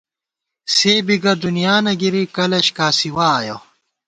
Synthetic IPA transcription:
seːbiɡɐd̪unijaːnɐɡiɾikɐlɐɕkaːsiwaːjo

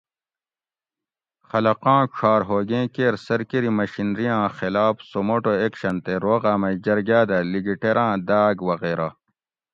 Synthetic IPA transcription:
xɐlɐqãːʂʰaːɾɦoːɡẽːkeːɾsɐɾkiɾimɐɕinɾijãːxilaːfsomoʈoeːkɕɐnt̪eɾoːɣaːmɐd͡ʑɐɾɡaːd̪ɐliɡiʈeɾãːd̪aːɡwɐɣeːɾa

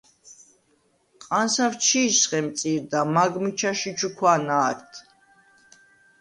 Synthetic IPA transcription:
qʼansaft͡ʃʰiːsχɛmt̪sʼiɾd̪amaɡmit͡ʃʰaʃit͡ʃʰukʰwanaːɾt̪ʰ

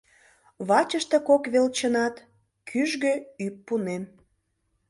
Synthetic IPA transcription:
βɑt͡ɕəʃt̪e̽kokβelt͡ɕənɑt̪ | kʰyʒɣøypːunen

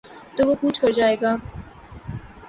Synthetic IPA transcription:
t̪oʋopuːt͡ʃʰkɐɾd͡ʒaːeːɡaː

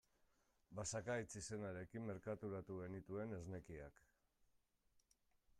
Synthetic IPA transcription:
basakajt͡sise̞naɾe̞kimːe̞ɾkat̪uɾat̪uɣe̞nit̪ue̞ne̞zne̞kiak

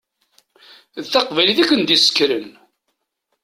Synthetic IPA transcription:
ðθɑqvæliθækːənd̪isə̥kːɾən

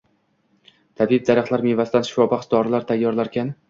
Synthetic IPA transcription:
t̪ʰabb̚d̪aɾaχt̪laɾmevasd̪anʃfɒbaqsd̪ɒɾlaɾt̪ʰajːɒɾlaɾkʲʰan

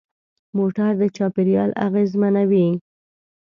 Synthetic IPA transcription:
moʈaɾd̪ət͡ʃɑpiɾjɑ̰la̰ɣezmanawi

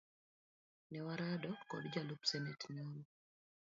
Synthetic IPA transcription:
nɛwaɾadɔkɔ̰dd͡ʒalupsɛnɛtnɔnɔ

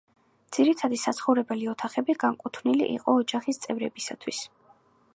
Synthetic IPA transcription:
d̪z̥iɾit̪ʰad̪isat̪sʰχɔvɾɛbɛliɔt̪ʰaχɛbiɡaŋkʼut̪ʰvnilḭʔḭqʼɔːd͡ʒaχist̪sʼɛvɾɛbisa̰t̪ʰwis

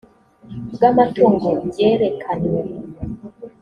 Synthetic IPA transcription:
ɡamatʰoŋɡoɟeɾekʰanwe

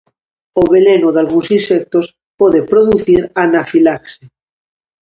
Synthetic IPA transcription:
oβelenoðalɣũnsinsek̚t̪os | poðepɾoðuθiɾanafilakse

